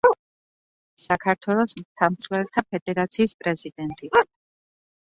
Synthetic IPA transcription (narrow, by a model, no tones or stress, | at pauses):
sakʰaɾt̪ʰwɛlˠɔsmt̪ʰamslɛɾt̪ʰapʰɛd̪ɛɾat̪sʰiːspʼɾɛzid̪ɛnt̪ʼi